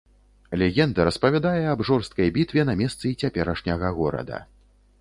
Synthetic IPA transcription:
lʲɛɣʲɛnd̪ɐɾɐspɐvʲad̪ajɛɐbʐɔrst̪̚kɐjbʲit̪vʲɛnɐmʲɛst̪sɨit͡sʲapʲɛɾɐʂnʲɐɣɐɣɔɾɐ̰d̪ɐ̰

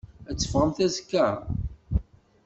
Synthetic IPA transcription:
æt͡sːə̥fʁəmθæzkːæ

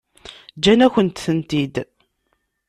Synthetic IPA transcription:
d͡ʒænæçʷənt̪θənt̪id̪

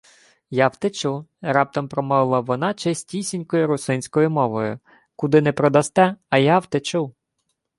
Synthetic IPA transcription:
jɑwt̪et͡ʃuɾɑp̚t̪ɔmpɾɔmɔʋɪlˠɐʋɔnɑt͡ʃɛsʲtʲisʲinʲkɔjʊɾʊsɪnʲsʲkɔjʊmɔʋɔjʊ | kʊd̪ɪnɛpɾɔd̪ɐst̪ɛɐjɑwt̪et͡ʃu

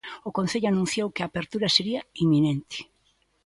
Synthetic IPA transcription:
ʊkõn̟θeʎʊanũn̟θjowkɪaːpeɾt̪uɾɐseɾiɐimːinent̪ɪ̥

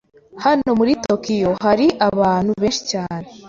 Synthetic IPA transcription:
hano̞muɾitokijo̞ɦaɾiʔaβaːn̥huβeːnʃi̥caːne

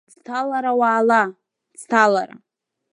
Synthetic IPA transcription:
d͡ztʰalaɾawaːla | d͡ztʰalaɾa̰

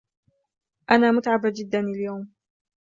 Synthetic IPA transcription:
ʔanaːmʊt̪ʕabd͡ʒɪd̪ːanaljawm

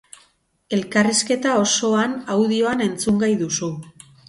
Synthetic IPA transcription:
e̞lkariske̞t̪ao̞so̞anawðio̞ane̞nt͡suŋɡajðusu

